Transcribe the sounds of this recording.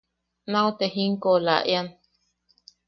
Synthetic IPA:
naot̪eɦiŋkola̰ʔjan

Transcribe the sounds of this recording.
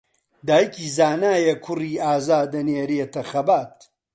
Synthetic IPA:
d̪aːjikʰiːzaːnaːjekʰʊriːaːzaːd̪ɐneːɾet̪ɐxɐbaːt̪̚

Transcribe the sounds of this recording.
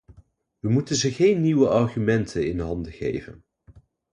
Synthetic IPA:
ʋəmutənzəχejnːiʋəʔɑɹχymɛntʰənɪnɦɑndəχḛjvə̰n

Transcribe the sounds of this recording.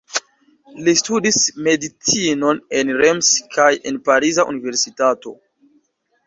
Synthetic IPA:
listudisme̞dit͡sino̞ne̞nɾemskʰaje̞̰npaɾizaʔṵnive̞ɾsitato̞̰

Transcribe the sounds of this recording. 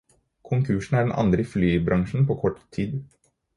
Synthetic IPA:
kʰʊŋkʰʉːʂɳ̩æɖɛnʔɑ̰nd̪ɾəiflyːbɾʔɑŋʂn̩pʰoːkʰɔʈːt̪ʰiːd̪

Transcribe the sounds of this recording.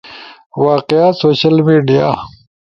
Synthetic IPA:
waːqejaːsoːɕɐlmiːɖija

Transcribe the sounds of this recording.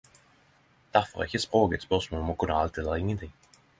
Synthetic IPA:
d̪̥æʁfɔʁæ̰ʁɪçəspʁoːɡət̪spœʁsmoːlmɔkʰʊnːəa̰lt̪iːɛləɾɪŋːənt̪ʰɪŋ

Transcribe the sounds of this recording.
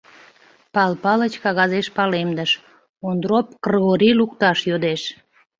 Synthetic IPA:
pɑlpɑlət͡ɕkɑɣɑzeʃpɑlemd̪əʃ | ond̪ɾop̚krɣoɾilukt̪ɑʃjod̪eʃ

